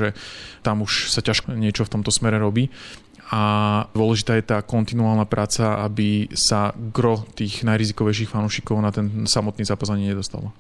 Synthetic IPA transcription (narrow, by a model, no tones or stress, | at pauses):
ʒɛt̪amuʃsacaʃkɲɪɛt͡ʃɔft̪ɔmt̪ɔsmɛɾɛɾɔbiː | ad̪ʊɔlɛʒit̪aːjɛt̪aːkɔnt̪inuaːlˠnapɾʔaːt͡saa̰bisaɡɾɔt̪iːɣnajɾizikɔʋɛjʃ̬iːxfanuːʃikɔʊnat̪ɛnsamɔt̪niːzaːpazaɲiɲɛd̪ɔst̪a̰lɔ